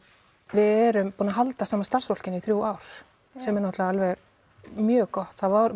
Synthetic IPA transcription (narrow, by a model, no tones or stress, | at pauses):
vɪðɛɾʏmpuːnaɦalt̪asaːmast̪ar̥svɔl̥cɪniθɾjuwaːwɾ̥ | sɛmɛɾnɔht̪laaalvɛɣ | mjœːkɔht̪θavɔɾ